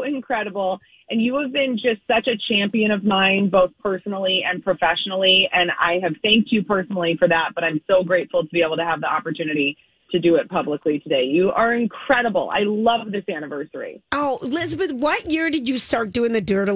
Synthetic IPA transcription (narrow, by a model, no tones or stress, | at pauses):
ɨ̃nkʰɹ̥ɛɾəbl̩ˠ | ʔɨ̃njɨːvbɪ̃nd͡ʒʌstsʌt͡ʃɨt͡ʃʰæ̃mpiɨ̃ɾ̃ʌvmãɪ̃nboʊθpʰɜ˞sn̩l̩ˠiɨ̃npʰɹ̥ɨfɛʃn̩l̩ˠiɨ̃na̰ɪɨv̥θæ̃ŋk̚t͡ʃjɨpʰɜ˞sn̩l̩ˠifə˞ðæt̚b̥ʌɾãɪ̃msoʊɡɹeɪtfl̩ˠtʰəbieɪbl̩ˠtɨəvðiɑpə˞tʰʉnɨɾi | ɾʰɨdɨɪt̚pʰʌbləklitʰɨdeɪjɨʔə˞ɨ̃nkʰɹ̥ɛɾəbl̩ˠa̰ɪlʌvðɪsæñɨvɜ˞sə˞ḭoʊlɪzbɨt̚wʌt̚jɪɹdɨd͡ʒɨstɑɹt̚d̥ʉɪ̃ŋðɨdɪɾ